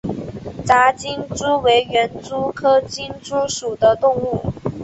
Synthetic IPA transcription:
t͡sa˧˥t͡ɕi˥nʈ͡ʂu˥we˧˥ɪɥɛ˧˥nt͡su˥kʰɤ˥t͡ɕi˥nʈ͡ʂu˥ʂu˨˩d̪ə˦t̪ʊ˥˧ŋu˥˩

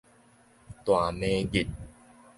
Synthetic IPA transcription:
t̪waː˨˩meː˧ɡi˨˩t̪̚

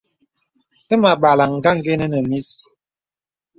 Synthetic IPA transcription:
te˦ma˨ɓa˨la˨ŋ̩˨ɡa˦ŋ˦ɡe˦nə˦nə˨mi˦s

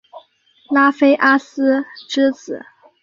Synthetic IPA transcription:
la˥fe˥ɪʔa˥s̩˥ʈ͡ʂɻ̩˥t͡sɹ̩˨˩˦

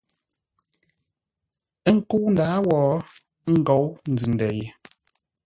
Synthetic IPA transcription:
ə˦ŋ̩˦˨ku˦n̩˨daː˨˦wɔː˨˦ | ŋ̩˦˨ɡɔ˨˦wn̩˨d͡zʉ˨n˨dɛ˨je˨

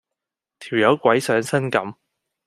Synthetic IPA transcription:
t̪ʰiː˨˩wjɐ˨˧˥wkʷɐ˨˥jsœː˨˥ŋsɐ˥nkɐ˨˥m

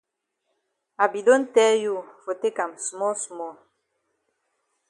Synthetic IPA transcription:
a˨bi˨do˦n˦tɛ˦ju˦˨fo˨te˦ka˨msu˨mɔ˦su˨mɔ˦˨

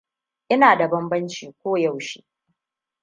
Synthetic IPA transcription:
ʔɪ˦naː˨da˨bɐ˦mbɐ˦nt͡ʃiː˨kʷoː˦ja˦˨wʃḭ˦

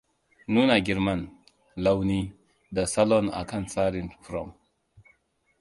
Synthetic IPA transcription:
nuː˦na˨ɡi˨ɾma˦˨n | la˦wni˦ | da˨sa˦lɔ˦˨na̰˨ka˦nsa˦ɾĩ˨nfɾɔ˨m

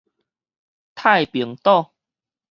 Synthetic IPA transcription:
t̪ʰa˥˧˨jpi˨˩˦ŋt̪ɔ˥˧ | t

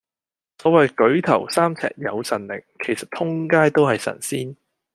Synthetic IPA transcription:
sɔː˨˥wɐ˨jkɵ˨˥ɥt̪ʰɐ˨˩wsaː˥mt͡sʰɛ̰ː˨˩k̚jɐ˨˧wsɐ˨˩nlɪ̰˨˩ŋkʰe˨˩jsɐ˨t̪ʰʊ˥ŋkaː˥jt̪o˥whɐ˨jsɐ̰˨˩nsiː˥n

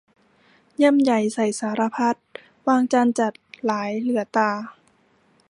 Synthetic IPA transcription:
ɲa˧˥˨mja˨˩jsa˨˩jsaː˩˦ɾa˧pʰa˦˥t̪̚ | waː˧ŋt͡ɕaː˧nt͡ɕa˨˩t̪̚laː˨˩˦jlɯ˩˦ɐt̪aː˧

